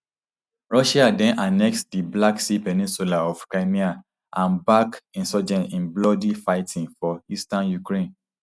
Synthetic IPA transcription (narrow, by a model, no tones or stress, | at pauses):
ɹɔʃiadɛ̃nʔanɛk̚sdiblaksipɛnĩnsulaɔfkɹaɪmia | ʔãnbakĩnsɔd͡ʒɛ̃nĩnblɔdifaɪtʰĩŋfɔistãnjukɹẽn